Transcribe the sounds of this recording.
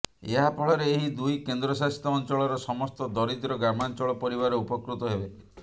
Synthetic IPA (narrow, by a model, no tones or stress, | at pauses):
eɦapʰɔɭɔɾeːɦid̪ujkend̪ɾɔsast̪ɔːnt͡ʃɔɭɔɾɔsɔmɔst̪ɔd̪ɔɾid̪ɾɔɡɾamant͡ʃɔɭɔpɔɾiβaɾɔupɔkɾut̪ɔɦebe